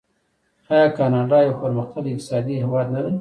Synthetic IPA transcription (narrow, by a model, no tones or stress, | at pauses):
hɑjɑkɑnɑɖɑjawpəɾməxt̪alɪq̚t̪ɪ̥sɑd̪iɦɪwɑd̪nad̪ə